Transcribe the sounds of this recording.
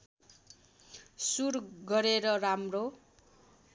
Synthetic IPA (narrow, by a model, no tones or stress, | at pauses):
surɡʌɾeɾʌramro